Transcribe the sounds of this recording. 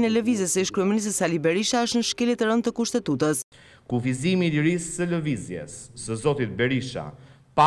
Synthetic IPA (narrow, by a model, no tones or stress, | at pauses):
nɛləvizəsəʃkɾɛminis̬t̪əsalibɛɾiʃaəʃt̪nəʃkɛlit̪əɾənt̪əkuʃt̪ɛt̪ut̪əs | kufizimiləɾisːələvizjɛ̰sːəzɔt̪it̪̚bɛɾiʃa̰ | pa